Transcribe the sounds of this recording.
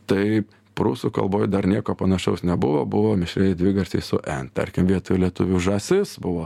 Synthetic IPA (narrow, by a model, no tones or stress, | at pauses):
t̪ɐɪ | pɾuːsukɐ̰lˠboːjd̪ɐɾnʲiɛkoːpɐnɐʃʲɛʊsnʲɛbʊʋobʊʋoːmʲɪʃʲɾʲɛjd̪ʲʋʲɪɡɐɾʲsʲɛɪsʊʔɛnt̪ɐ̰ɾʲkʲɪmʋʲiɛt̪ʊlʲiɛt̪ʊʋʲuːʒɐsʲɪsbʊʋoː